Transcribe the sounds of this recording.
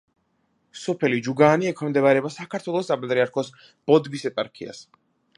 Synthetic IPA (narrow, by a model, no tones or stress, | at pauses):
sɔpʰɛlid͡ʒuɡaːniɛkʰɛmd̪ɛβaɾɛbasakʰaɾt̪ʰwɛlˠɔst̪ːʼapʼɛt̪ʼɾiaɾkʰɔs | b̥ɔd̪bisɛp̪ʼaɾkʰia̰s